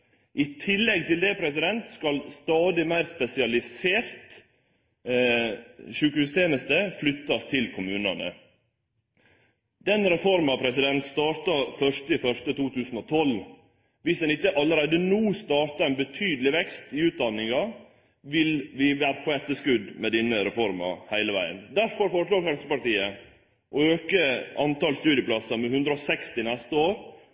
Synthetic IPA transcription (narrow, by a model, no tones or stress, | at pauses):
ʔɪt̪ʰɪlːɛɡ̚t̪ɪld̪ɛpʰɾɛsɪd̪ɛnt̪skɑlst̪ɑːd̪ɪmæɪɾspɛsɪɑlɪseːɾt̪ | ʃʉːkəhʉːst̪ʰeːnəst̪əflʏt̪ːɑst̪ʰɪlkʰʊmʉːnɑ̰nə̰ | d̪̥ɛnɾɛfɔɾmɑpʰɾɛsɪd̪ɛnt̪st̪ɑːɾt̪ɑfœʂʈəɪfœʂʈət̪uːt̪ʰʉːsn̩ɔt̪ʰɔl | ʋɪsd̪ɛnɪçːəʔɑlːəɾæɪd̪ənuːst̪ɑːɾt̪ɑɛnbət̪ʰyːd̪əlɪʋɛkst̪ɪʉːt̪̚d̪ɑnːɪŋɑ | ʋɪlʋɪʋæːɾəpʰɔɛt̪ːəʂkʉd̪mɛd̪ɪnːəɾɛfɔɾmɑ̰hæɪləʋæɪə̰nd̪æɾfɔɾfɔɾʂɭoːɾfɾɛmsəpɑʈiːə | ʔɔøːkəɑnt̪ɑːlst̪ʉːd̪ɪəpʰlɑsɑmɛhʉnd̪ɾəɔsɛkst̪ɪnɛst̪əoːɾ